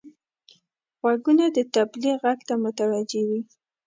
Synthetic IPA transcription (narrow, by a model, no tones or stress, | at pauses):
ɣwaɡunad̪ət̪abliɣaɡt̪amʊt̪awad͡ʒewi